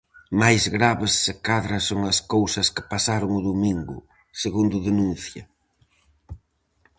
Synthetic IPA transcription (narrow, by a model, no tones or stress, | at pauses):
majzɣɾaβɪsːɪkaðɾɐsoŋɐskowsɐskɪ̥pasaɾʊŋʊðumiŋɡʊ̰ | seɣund̪ʊðenũnθjɐ